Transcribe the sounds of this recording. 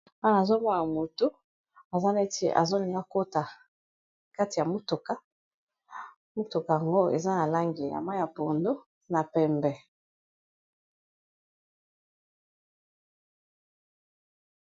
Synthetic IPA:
a˦n˨a˨zo˦m˦a˦na˨mo˨to˦ | a˨za˦ne˦tḛ˦ʔa̰˨zo˦ni˨˦a˦˨ko˦ta˨ | ka˦ti˨ja˨mu˦to˨ka˦ | mo˦tu˨ka˨ja˨ŋɡo˦ḛ˨za˦na˨la˦ŋɡi˨ja̰˨ma˦ja˨po˨ndo˦ | na˨pɛ˨mbɛ˨

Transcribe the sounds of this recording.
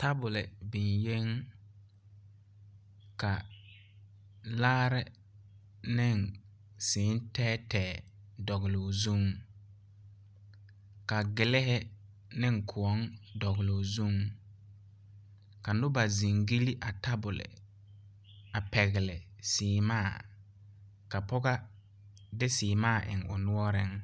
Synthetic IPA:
ta˦bʊ˨lɪ˨bɪ˨nje˦ŋ | ka˨ | laː˦ɾɪ˦ | nɪ˦˨ŋ | sɪː˨˦n˦tɛː˦tɛː˨ | dɔ˨ɣɪ˨lo˨zu˦˨ŋ | ka˨ɡɪ˨lɪ˦ɦɪ˦ | nɪ˦ŋkʰʊ˨ɔ˦ŋdɔ˨ɣɪ˨lo˨zu˦ŋ | ka˨nʊ˦ba˨zi˨ŋɡi˦li˦ʔa˨ta˦bʊ˨lɪ̰˨ | a˨pɛ˨ɣɪ˨lɪ˨sɪː˨˦maː˦˨ | ka˨pɔ˦ɣa˦ | dɪ˦sɪː˨maː˦˨ʔɪ̰˨ŋʊ˨nʊ˦ɔ˦ɾɪ˦ŋ

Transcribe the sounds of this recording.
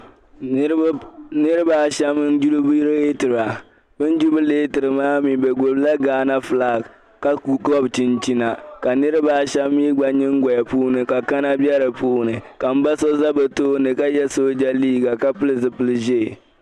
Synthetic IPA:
nɨ˦ɾɨ˦ba˦ʃɛ˦mɨ˦nd͡ʒu˦lu˦bi˦ɾtɨ˨ɾa˨ | bɨ˦n˦d͡ʒu˦bɨ˦leː˦tɨ˨ɾɨ˨maː˦mi˨bɛ˨ɡo˨bla˦ɡaː˨˦na˦fɨ˨laː˦˨k | ka˦ɡɔ˦bt͡ʃɪ˨nt͡ʃi˦na˨ka˨nɨ˦ɾɨ˦baː˦ʃɛ˦mːi˦ɡ͡ba˦ɲɨ˦ŋ˦ɡɔ˨ja˨puː˦nɨ˨ka˨ka˦na˦bɛ˦ɾɨ˨puː˦nɨ˨ka˨m̩˦ba˦sɔ˦za˦bɛ˨toː˦nɨ˨ka˦jɛ˦so˦d͡ʒa˦liː˦ɡa˨ka˦pɨ˦lɨ˨zɨ˨pɨ˦lɨ˦ʒe˦˨

